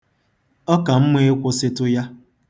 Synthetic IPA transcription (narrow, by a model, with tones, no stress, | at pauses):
ɔ˦ka˨m̩˦me˦kʷʊ˦sɪ˦tʊ˦ja˦